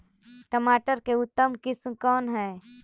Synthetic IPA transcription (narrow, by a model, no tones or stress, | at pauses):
ʈəmaːʈəɾkeʊt̪ːəmkɪsmkɔːnɦɛː